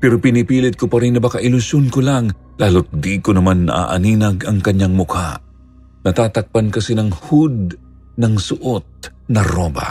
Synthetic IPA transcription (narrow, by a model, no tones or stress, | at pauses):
pɛːɾopɪnipiːlɪt̪̚kopɐɾɪnːɐbɐkaʔɪlʊsjonkolaŋ | laːlot̪̚d̪ikonɐmanːɐ̰ʔa̰ːʔɐniːnɐɡɐŋkɐɲaŋmʊkʰa̰ | nɐt̪aːt̪ɐk̚pɐnkɐsinɐŋhud̪̚ | nɐŋsʊʔot̪̚nɐɾobɐ̰